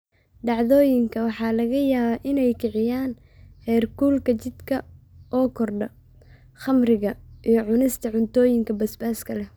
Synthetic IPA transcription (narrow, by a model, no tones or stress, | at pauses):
ɖɑʕðɔːjɪŋkʰɐwɑħɑːlɐɣɐjaːβaːʔɪnɛjkʰɪʕɪjaːn | hɛːrkuːlkʰɐt͡ʃɪd̪kʰɐ | ʔɔːkʰɔrɖɐ | χɐmrɪɣɐʔijɞʕʊnɪst̪ʰɐʕʊnt̪ʰɔːjɪŋkʰɐbɐsbaːskʰɐlɛ